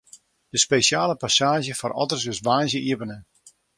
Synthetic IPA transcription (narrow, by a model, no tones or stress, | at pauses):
dəspeːʃjaːləpasaːʒəfɔrʔɔ̰tərsɪsʋaːnzjəʔiəpənə